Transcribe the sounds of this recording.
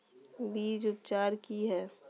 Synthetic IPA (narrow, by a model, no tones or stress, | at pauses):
biːd͡ʒʊpt͡ʃaːɾkiɦɛː